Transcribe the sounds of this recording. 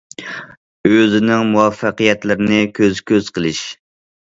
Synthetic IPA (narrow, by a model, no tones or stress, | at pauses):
øzɪnɪŋmuwɑfːɑqijɛt̪lɪɾɪnɪkʲʰøzkʲøz̥qʰəlˠɪʃ